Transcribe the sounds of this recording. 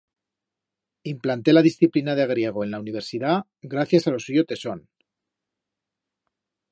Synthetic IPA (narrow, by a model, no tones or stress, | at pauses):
implant̪e̞laðisθiplinaðeaɣ̞ɾje̞ɣ̞o̞e̞nlauniβ̞e̞ɾsiða | ɣɾaθjasalo̞suʝo̞t̪e̞son